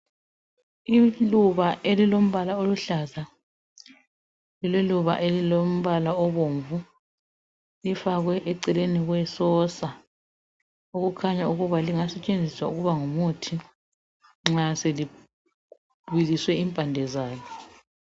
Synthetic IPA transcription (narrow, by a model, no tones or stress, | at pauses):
iluβaʔelilom̩βalaoluɬaza | lilɛluβa̰ʔelilom̩βalaɔβoɱvu | lifaɣwɛʔɛǀɛleniɣwɛsɔsa | uɣukʰaɲauɣuβaliŋasɛt͡ʃʼend͡zʱiswa̰uɣuβaŋumutʰi | ŋ͡ǁaseli | iliswɛimpʼandʱɛzaːjɔ